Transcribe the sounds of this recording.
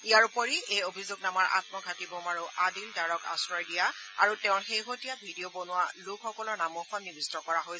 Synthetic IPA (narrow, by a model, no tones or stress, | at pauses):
ijaɹupɔɹiejobʱizuɡnamaɹʔa̰tmɔɡʱatibɔmaɹuʔadindaɹɔka̰sɹɔjdijaa̰ɹutɛʊ̃nxejɦotijabʱidiobonʊwalʊkxɔkɔlɔɹnamɔxɔnːibistɔkɔɹaɦoj